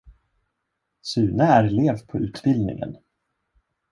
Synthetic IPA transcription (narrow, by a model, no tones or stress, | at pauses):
sʉ̟ːnəæɾleːvpʰɔʉ̟ːt̪bɪld̪nɪ̰ŋə̰n